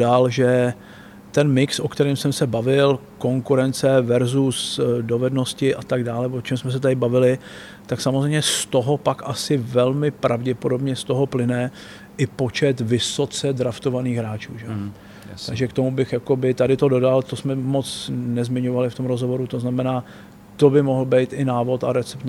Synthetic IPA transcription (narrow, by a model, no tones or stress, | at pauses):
alʒɛ | t̪ɛnmɪksʔo̞kt̪ɛɾiːmsɛmsɛbavɪl | ko̞ŋkuɾɛnt͡sɛvɛɾzusdo̞vɛdno̞scɪʔat̪aɡdaːlɛvot͡ʃɛmsmɛs̬ɛt̪adɪbavɪlɪ | t̪aksamozrejmɲɛst̪o̞ɦo̞pakʔasɪvɛlmɪpɾʔavɟɛpo̞do̞bɲɛst̪o̞ɦo̞plɪnɛ | ʔɪpo̞t͡ʃɛt̪vɪso̞t͡sɛd̪ɾaft̪o̞vaniːxɦɾaːt͡ʃṵːʒɛo | t̪aɡʒɛkt̪o̞mubɪxjako̞bɪt̪adɪt̪o̞do̞dalt̪o̞smɛmot͡snɛzmɪɲo̞valɪft̪o̞mɾozɦovo̞ɾut̪o̞znamɛnaː | t̪o̞bɪmo̞ɦl̩bɛjt̪ʔɪnaːvo̞t̪aɾɛt͡sɛpt̪